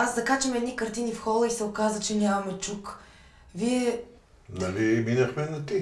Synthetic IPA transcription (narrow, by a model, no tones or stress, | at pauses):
azd̪ɐkat͡ʃəmɛd̪nikɐɾt̪inifxɔlˠəisɛʊkazət͡ʃɛnʲamɐmɛt͡ʃuk | viɛ | nɐliminɐxmɛnɐt̪i